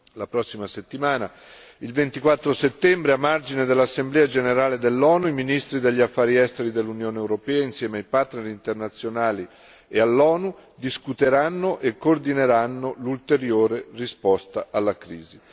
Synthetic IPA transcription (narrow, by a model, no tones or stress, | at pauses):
lapɾɔsːimaset̪ːimaːna | ilvent̪ikwat̪ːɾoset̪ːɛmbɾeamːard͡ʒined̪elːasːemblɛːad͡ʒeneɾaːled̪elːɔːnuiminist̪ɾid̪eʎːiafːaːɾiɛst̪eɾid̪elːunjoːneewɾopɛːainsjɛːmeajpart̪neɾint̪ernat̪sːjonaːli | ealːɔːnud̪iskut̪eɾanːoʔekːord̪ineɾanːolult̪eɾjoːɾerispɔst̪aʔalːakɾiːzi